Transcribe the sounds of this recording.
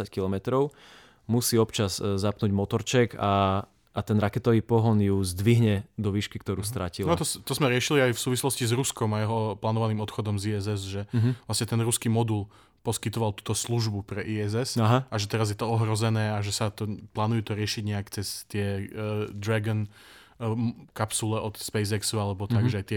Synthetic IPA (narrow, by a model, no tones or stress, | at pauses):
ackilɔmɛt̪ɾɔʊ | musiːɔpt͡ʃazzapnuːɟmɔt̪ɔɾt͡ʃɛɡaː | t̪ɛnɾakɛt̪ɔʋiːpɔɦɔnjuzd̪ʋiɦɲɛd̪ɔʋiːʃkikt̪ɔɾuːst̪ɾacilt̪ɔst̪ɔzmɛɾɪɛʃiliajfsuːʋislɔscizɾuskɔmajɛɦɔplaːnɔʋaniːmɔt̪xɔd̪ɔmziɛzɛzʒɛɦʋlasɲɛt̪ɛnɾuskimɔd̪ul | pɔskit̪ɔʋalˠt̪uːt̪ɔsluʒbupɾɛʔiːɛzɛsaɦaaʒɛt̪ɛɾazjɛt̪ɔɔɦɾɔzɛnɛːaʒɛsat̪ɔplaːnujut̪ɔɾɪɛʃiɟɲɛakt͡sɛst̪ɪɛd̪ɾaɡɔn | kapsulɛʔɔt̪spɛjzɛksualɛbɔt̪aɡʒɛajt̪ɪɛ